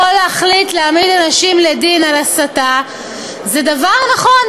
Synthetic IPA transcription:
oleaχlit̪leamidanaʃimledinalasata | zedavaʁnaχo̞n

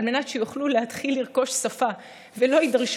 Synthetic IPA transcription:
lme̞natʃejuχluleɦat̪χilːiʁko̞ʃsafa | velo̞idaʁʃ

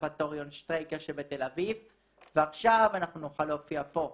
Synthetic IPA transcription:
pat̪oʁjonst̪ʁejkeʃebet̪elaviv | veaχʃavanaχnunoχalo̞ːfiapo̞

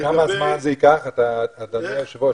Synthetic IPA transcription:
kamazmanzeikaχat̪aːt̪adeʃevo

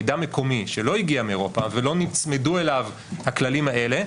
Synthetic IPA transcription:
dameko̞miʃelo̞iɡiameeʁo̞pavelo̞nit͡sme̞due̞lav | haklalimhaʔe̞le̞

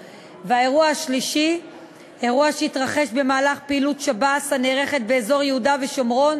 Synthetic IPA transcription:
veae̞ʁuahaʃliʃi | e̞ʁuaʃeitʁaχe̞ʃbe̞maːlaχpeilutʃabasaneːʁe̞χe̞t̪̚beːzo̞ʁjehudave̞ʃo̞mʁo̞n

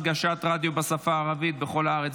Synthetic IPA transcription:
ɡaʃat̪ʁad̪jobasafaːʁavit̪̚beχo̞laaʁet͡s

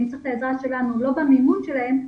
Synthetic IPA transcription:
mt͡seiχleezʁasʃe̞lanulo̞bamimudʃelahe̞m

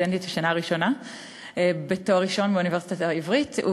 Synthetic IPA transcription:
end̪itbeʃanaʁiʃo̞na | betoʁiʃo̞nbeunivesi̥t̪ataivʁitṵ

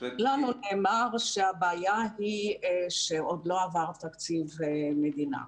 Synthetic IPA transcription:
lanuneːmaʁʃeabaːjahiʃeod̪lo̞avaʁt̪akt͡sivmed̪ina̰

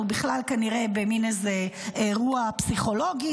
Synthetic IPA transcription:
ubiχlalkaniʁebeminezeeʁuapsiχo̞lo̞ɡi

